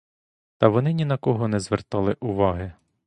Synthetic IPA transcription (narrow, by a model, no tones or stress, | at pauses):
t̪ɐʋɔnɪnʲinɐkɔɦɔnɛzʋert̪ɑlˠɪʔʊʋɑɦɪ